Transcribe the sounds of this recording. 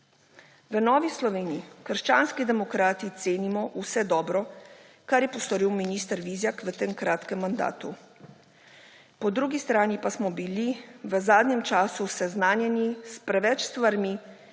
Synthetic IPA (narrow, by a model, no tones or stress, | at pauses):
ʋənɔːʋislɔʋeːniikəɾʃt͡ʃaːnskid̪ɛmɔkɾaːt̪it̪seːnimɔʔusɛd̪ɔːbɾɔ | kaɾjɛpɔst̪ɔɾiwminist̪əɾʋizjakʋət̪eːmkɾaːt̪kɛmːand̪a̰ːt̪u | pɔd̪ɾuɡist̪ɾaːnipasmɔbiliʋəzaːd̪njɛmt͡ʃaːsusɛznaːnjɛnispɾɛʋɛt͡ʃst̪ʋaɾmi